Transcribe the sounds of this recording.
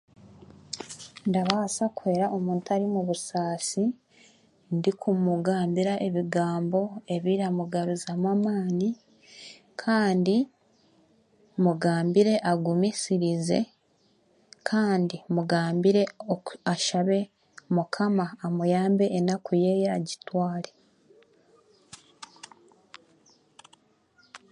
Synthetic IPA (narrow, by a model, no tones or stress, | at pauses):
ndaβasakue̞ːɾaʔomuːntaɾimuβusaːsi | ndikʰumuɡaːmbiɾaʔe̞βiɡaːmbo̞e̞βiɾamuɡaɾuzamamaːni | kʰaːndi | muɡaːmbiɾe̞ʔaɡumisiɾize̞̰ | kʰaːndimuɡaːmbiɾe̞oaʃaβe̞ | mukʰamaːmujaːmbe̞ʔːnakujejaɟitwaːle̞